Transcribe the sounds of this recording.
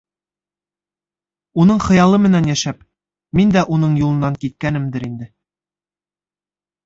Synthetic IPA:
unɤɴχɤ̆jɑlˠɤmɘ̆nænjæʃæp | mind̪æʔunɤɴjulˠɤ̆nːɑŋkit̪̚kænɘmd̪ɘɾind̪ɘ

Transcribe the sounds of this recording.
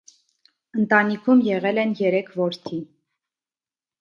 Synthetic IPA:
ənt̪ɑnikʰumjɛʁɛlɛnjɛɾɛkʰvɔɾt̪ʰi

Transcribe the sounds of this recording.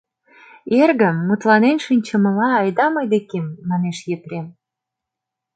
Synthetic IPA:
erɣə̆mːut̪lɑnenʃinʲt͡ɕə̆mə̆lɑːjd̪ɑmɤjd̪ekemːɑneʃjepɾem

